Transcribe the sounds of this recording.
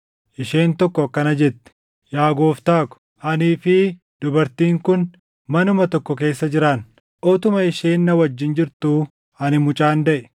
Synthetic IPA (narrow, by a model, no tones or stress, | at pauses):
ʔɪʃe̞ːnt̪ɔkːɔɐkːɐnɐd͡ʒɛt̪ːɛ̥ | jaːɡoːft̪aːkʊ̥ | ʔɐniːfɪ | d̪̥ʊbɐɾt̪iːŋkʊn | mɐnʊmɐt̪ɔkːɔk̬e̞ːsːɐd͡ʒɪɾan | ʔɔt̪ʊmɐɪʃeːnːɐwɐd͡ʒːɪnd͡ʒɪɾt̪uː | ɐnɪmʊt͡ʃʼaːnd̪ɐʔɛ̥